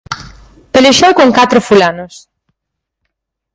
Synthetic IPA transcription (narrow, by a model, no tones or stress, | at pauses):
peleʃowkoŋkat̪ɾʊfulanʊs